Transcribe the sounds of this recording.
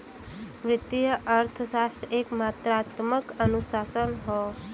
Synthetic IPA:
mɾɪt̪ijəʔəɾt̪ʰəsast̪ʰeːkmat̪ɾat̪məkənusaːsənɦɔː

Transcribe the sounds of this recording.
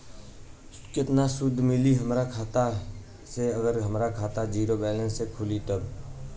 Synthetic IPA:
kɪt̪nasʊd̪ʱːmɪliɦəmɾakʰaːt̪a | seəɡəɾɦəmɾakʰaːt̪ad͡ʒiːɾobɛːlə̃nsekʰʊlit̪əb

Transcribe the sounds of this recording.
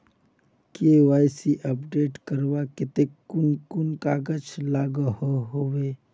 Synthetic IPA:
keaːjsiʔəpɖeːʈkəɾbakɪt̪ekʊnkʊnkaɡət͡ʃʰlaːɡəhoɦowe

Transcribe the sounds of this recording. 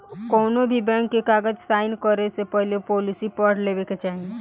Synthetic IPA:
kɔːnobʱibɛ̃ːŋkːekaːɡəd͡ʒsaːɪnkəɾesepəɦljopɔːlɪsipəɽ̤leːʋeket͡ʃaːɦĩ

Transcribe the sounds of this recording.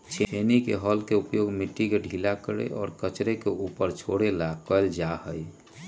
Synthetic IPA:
t͡ʃʰeenikḛɦɔːlkeupjoɡmiʈːikeɖʱilakəɾḛʔɔːɾkət͡ʃɾekeʔupəɾt͡ʃʰoɽelakəld͡ʒahəj

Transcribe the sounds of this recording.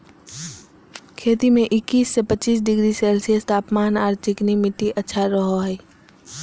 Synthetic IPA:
kʰeːt̪imẽʔɪkːiːsːepət͡ʃiːs̬ɖɪɡɾiseːlsijəst̪ʰaːpmaːnaːɾt̪ɪknimɪʈiʔətːʃʰaɾəɦoɦɛː

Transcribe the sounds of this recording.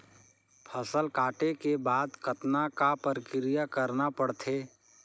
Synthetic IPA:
pʰəsəlkaːʈekebaːd̪kət̪nakapəɾɪkɪɾɪjakəɾnapəɽt̪ʰeː

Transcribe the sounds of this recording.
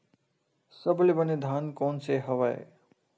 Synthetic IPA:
səblebəned̪ʱaːnkoːnseɦɐʋaḛ

